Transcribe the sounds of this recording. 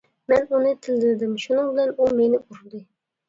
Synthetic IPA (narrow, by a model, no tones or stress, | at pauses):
mɛnunɨt̪ʰɪld̪ɪld̪ɪmʃunɨŋbɪlɛnumenɪʔuɾd̪ɨ